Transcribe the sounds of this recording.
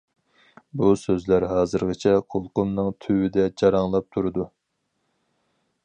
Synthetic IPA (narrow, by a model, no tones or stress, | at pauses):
busøzlæɾɦɑːzɨɾʁɨt͡ʃʰɛqʰolˠqʊmnɨŋt̪ʰywɪd̪ɛd͡ʒɑɾɑŋlˠɑp̚t̪ʰuɾɨd̪u